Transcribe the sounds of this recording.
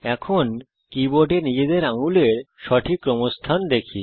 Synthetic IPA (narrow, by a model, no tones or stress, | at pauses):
ɛkʰon | kibɔʈenid͡ʑed̪eɾãŋɡuleɾɕɔʈʰikɾəmɔst̪ʰand̪ekʰḭ